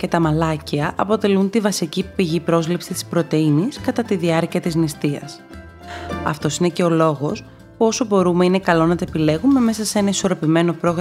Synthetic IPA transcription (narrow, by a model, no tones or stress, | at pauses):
ce̞t̪ɐmɐlɐciɐʔɐpo̞t̪e̞lunt̪ivɐsicipiʝipɾo̞zlipsit̪i̥spɾo̞t̪e̞iniskɐt̪ɐt̪iðiɐɾciɐt̪iznist̪iɐ̰s | ɐ̰ft̪o̞sinece̞o̞lo̞ɣo̞s | puo̞so̞bo̞ɾume̞ine̞kɐlo̞nɐt̪oepile̞ɣume̞me̞sɐsee̞nɐiso̞ɾo̞pime̞no̞pɾo̞ɣɾ